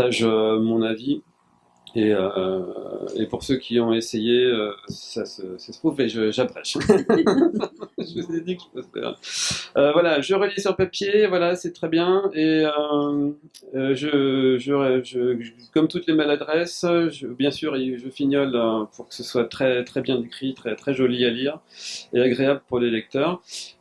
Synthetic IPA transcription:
aʒømɔ̃navi | eø | ḛpuʁsøkʲʰiɔ̃esejeøsasəsasə̥t̪χuveʒəʒabʁɛ̰ʃ | ʒəvuzed̪ikəʒəpɛstɛ̰ʁ̰ | øvwalaʒəʁəljesyʁpapjevwalasɛt̪χɛbjɛ̃eø | ʒəʒəʒə | kɔmt̪ut̪lemalad̪ʁɛsʒəbjɛ̃syʁeʒəfinjɔløpuʁkə̥səswat̪χɛt̪χɛbjɛ̃d̪ekχit̪χɛt̪χɛʒɔlialiʁeaɡʁeabləpuʁlelɛk̚t̪œːʁ

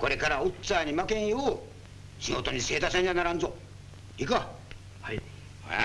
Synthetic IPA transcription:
ko̞ɾe̞kaɾaot͡saːɲ̟imakẽɰ̃o | ɕiŋot̪o̞ɲ̟ise̞ːt̪asãɲʲianaɾãnd͡zo | ika | ha̰

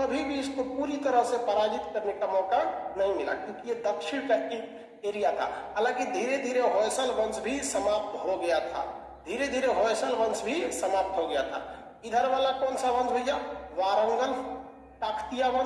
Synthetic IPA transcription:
səbʱibʱid͡ʒkopuɾit̪əɾəɦsẽpəɾad͡ʒit̪kəɾnekamɔkanəɦĩmila̰kjõkijed̪əkʃʰɪɽ̃ka | eɾijat̪ʰa̰ɦəlãkid̪ʱiɾed̪ʱiɾeɦojsəlbə̃nd͡ʒbʱisəmap̚t̪ɦoɡəjat̪ʰa̰ | d̪ʱiɾed̪ʱiɾeɦosəlʋə̃nd͡ʒbʱisəmap̚t̪ɦoɡəjat̪ʰa̰ | id̪ʱəɾʋalakɔːnsaʋə̃nd͡ʒɦoid͡ʒaʋaɾəŋɡəl | ʈakʰt̪ijabə̃n

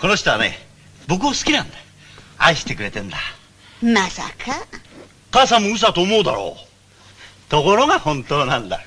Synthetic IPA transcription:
ko̞no̞ɕi̥t̪oane̞̰ | bo̞k̬ɯ̟βasɨ̥kʲinãnd̪a | a̰iɕi̥t̪e̞kɯ̟ɾe̞t̪ẽ̞nd̪a | masa̰kʰa | kasãmːoɯ̟s̬at̪o̞ːmo̞ːd̪a̰ɾo̰ː | t̪o̞ko̞ɾo̞ɡahõ̞nt̪oːnãnd̪a̰

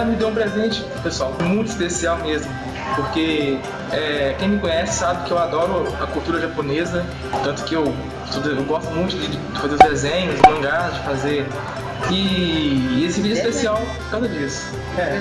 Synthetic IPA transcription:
mɪd̪ẽw̃pɾezẽt͡ʃɪ̥ | pesuawmũj̃t̪ʊi̥spesiawmezmʊ | poɾke | ɛkẽj̃mɪkõɲɛsɪ̥sabɪkɪewad̪ɔɾʊɐkuwt̪uɾɐʒaponezɐ | t̪ɐ̃t̪ʊ̥kɪew | st̪od̪ewɡɔst̪ʊmũj̃t̪ʊd͡ʒɪd͡ʒɪfazeɾʊzd̪ezẽɲʊzɪmɐ̃ɡad͡ʒɪfaze | ɪ | esɪvid͡ʒʊispesiawpʊ̥ɾkaw̃zɐd͡ʒisʊ̥ | ɛ

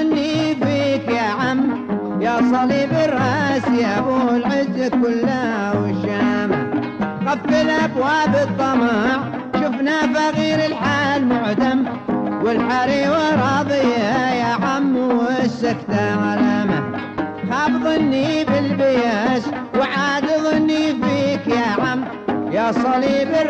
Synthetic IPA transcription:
nːibikjaʕam | jasˤɑlibɪrˤːɑːsjaʔbulʕɪzːakːʊlːawɪʃaːma̰ | ɣafːɪlabwaːbɨt̪ˤːɑmɑːʕ | ʃʊfnafaɣiːɾɪlħaːlmʊʕd̪am | wɪlħaɾiːwaɾˤɑːðˤɪjajaʕamːwsːakt̪aʕalaːmaxɑːfðˤɪnːibɪlbɪjaːs | wʕaːd̪ɨðˤɪnːifiːkjaʕamː | jasˤɑliːb

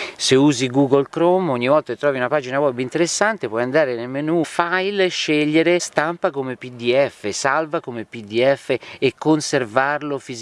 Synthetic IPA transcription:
seuːziɡuɡolkɾɔmoɲːivɔlt̪aket̪ːɾɔːviunapaːd͡ʒinawɔbint̪eɾesːant̪epwɔjand̪aːɾenelmenufajlʃːeʎːeɾest̪ampakomepid̪iɛfːesalvakomepid̪iɛfːeːkːonservarlofiz

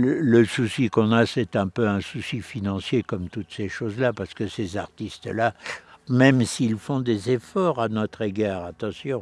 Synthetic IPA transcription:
lələsusikɔ̃nasɛt̪ɛ̃pøɛ̃susifinɑ̃sjekɔmt̪ut̪seʃozlapaʁsə̥kəsezaʁt̪ist̪lamɛmsiːlfɔ̃d̪ezefɔʁanɔt̪χeɡɛːʁat̪ɑ̃sjɔ̃

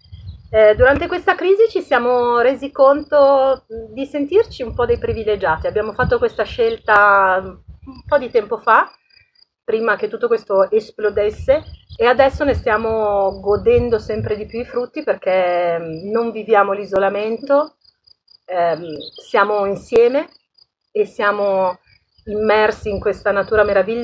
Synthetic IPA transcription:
ɛd̪uɾant̪ekwest̪akɾiːzit͡ʃisjaːmoɾeːzikont̪od̪isent̪irt͡ʃiumpɔd̪ejpɾivilːed͡ʒaːt̪iabːjaːmofat̪ːokwest̪aʃelt̪a | umpɔd̪it̪ɛmpofa | pɾiːmaket̪ːut̪ːokwest̪oesplod̪esːeːad̪ɛsːonest̪jaːmoɡod̪ɛnd̪osɛmpɾed̪ipjuifɾut̪ːiperk̟e | noɱvivjaːmolizolament̪o | msjaːmoinsjɛːme | esːjaːmo | imːɛrsiːŋkwest̪anat̪uːɾameɾaviʎː

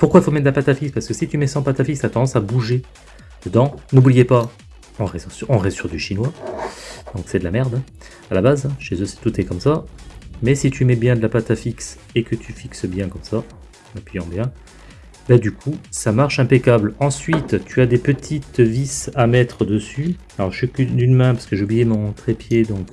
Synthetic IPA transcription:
puʁkwaifomɛt̪d̪lapat̪afikspaʁskəsit̪ymɛsɑ̃pat̪afikst̪at̪ɑ̃d̪ɑ̃sabuʒe | d̪̥əd̪ɑ̃nublijepa | ɑ̃ʁɛzɑ̃sɔ̃ʁɛsyʁd̪yʃinwa | d̪̥ɔ̃ksɛd̪əlamɛʁd̪ɛ̃ | alabazɛ̃ʃezøsɛ̥t̪ut̪ɛkɔmsamɛsit̪ʰymɛbjɛ̃d̪əlapat̪afiks | ekət̪ʰyfiksəbjɛ̃kɔmsã | apyjɑ̃bjɛ̃ | bɛd̪ykʰusamaʁʃɛ̃pekʲablɑ̃sɥit̪t̪ʰyad̪epət̪ʰit̪visamɛt̪χəd̪əsy | alɔʁʃykyd̪ynmɛ̃paʁskəʒeublijemɔ̃t̪χepjed̪ɔ̃k

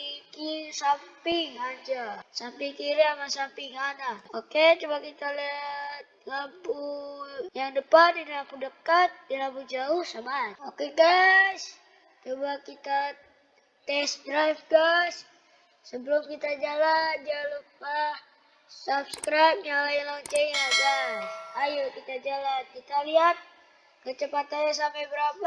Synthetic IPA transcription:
kisampɪŋad͡ʒasampiŋkiɾiamasampɪŋanaoket͡ʃubakit̪alɛt̪̚kampujaŋdəpaninilampudəkat̪̚dilamp̬ud͡ʒauhsamaokeɡas | t͡ʃobakit̪a | t̪ɛsdɾafɡasː | əbəlumkit̪ad͡ʒalad͡ʒalup̚a | sapskɾap̚jalaɪnlat͡ʃɛŋad͡ʒaː | jukit̪ad͡ʒalankit̪aliɦat̪̚ | kət͡ʃəpat̪anas̬ampabəɾapa

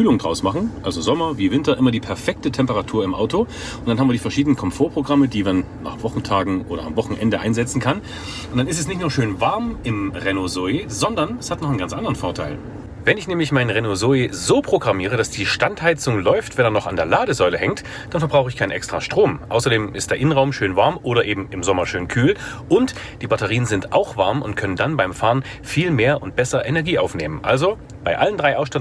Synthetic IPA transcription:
kʰyːlʊŋdʁaʊsmaχn̩ʔalzozɔmɐviːvɪntɐʔɪmɐdiːpʰɛɐfɛk̚tətʰɛmpəʁatʰuːɐɪmʔa̰ʊto | ʊntd̥anɦabmviɐdiːfɛɐʃiːdənənkʰɔmfoːɐpʁ̥oɡʁamədiːmanːa̰ːχv̥ɔχn̩tʰaːɡŋ̩ʔoːɾɐ̰a̰mvɔχn̩ʔɛ̰ndəʔaɪnzɛt͡sn̩kʰan | ʔʊnd̥anɪstɛsnɪçtnuːɐʃøːnvaɐmʔɪmʁenozoezɔndɐnɛshatnɔχnɡant͡sʔandəʁənfoɐtʰa̰ɪl | vɛnɪçnɛːmlɪçmaɪnʁenozoezoːpʁ̥oɡʁamiːʁ̞əd̥asd̥iːʃtanthaɪt͡sʊŋlɔʏftv̥ɛnɛɐnɔχa̰ndeːɐlaːdəzɔʏləhɛŋkt | d̥anfɛɐbʁaʊxəɪçkʰaɪnʔɛkstʁ̥a̰ʃtʁ̥oːmʔʔa̰ʊsɐdeːmʔɪstd̥eɐɪnənʁaʊmʃøːnvaɐmʔoːɾɐʔeːbm̩ɪmzɔmɐʃøːnkʰyːlʔʊnt | d̥iːbatɐʁiːənzɪntʔaʊxv̥aɐmʊntkʰœnəndanbaɪmfaːɐʁən | fiːlmeːɐʔʊnt̚b̥ɛsɐʔɛnɛɐɡiːaʊfneːmənʔa̰lzo | b̥aɪʔaləndʁaɪʔaʊsʃtat

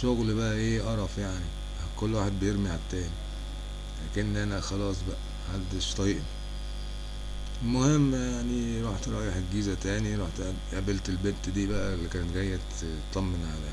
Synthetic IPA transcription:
ʃoɣlbæʔæʔeːʔɑɾˤɑfjaʕni | hkolːwaːħed̪̚bejeɾmiʕat̪ːæːni | læːkenːʔænæxɑlɑːsˤbæʔæ | hald̪eʃt̪ˤɑjeʔni | lmohemːjaʕniɾˤuːħt̪eɾˤɑʔjiħeɡːiːzæt̪æːniɾˤuːħt̪ | ʔabelt̪elbent̪d̪iːbæʔælːikæːnet̪ɡæjːæt̪ | t̪ˤːɑmːenʕalæ

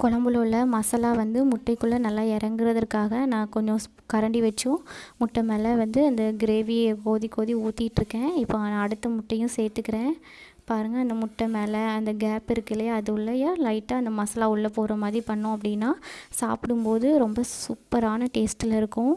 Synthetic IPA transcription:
kʊɭɐmbɯloɭːɐmɐsɐlaːʋɐnd̪ɯmʊʈːɐɪkːɯɭːɐnɐlːaːɛɾɐŋɡɪɾɐðɐɾkaːɣɐnãːkɔɲd͡ʒɔ̃ | kɐɾɐɳɖiʋɛt͡ʃːʊ̃mʊʈːɐmeːlɐʋɐnd̪ɯɐnd̪ɐɡɪɾeːʋijkoːðikoːðiuːt̪ːɪjɪʈːɪɾɯkːẽːɪpːoaːnaɐɽɯt̪ːɐmʊʈːɐjʊ̃seːɾt̪ːɯkːɪɾẽː | paːɾɯŋɡɐɐnd̪ɐmʊʈːɐmeːlɐɐnd̪ɐɡaːpɪɾɯkːɪlːjɐðɯʊɭːɐjaːlɐɪʈːaːɐnd̪ɐmɐsɐlaːʊɭːɐpoːɾɐmaːðɾipɐɳːʊ̃ɐpːɐɽɪnːaːsaːpɯɽɯmpoːðɯɾɔmbɐsʊpːɐɾaːnɐʈeːsʈɪlɪɾɯkːʊ̃

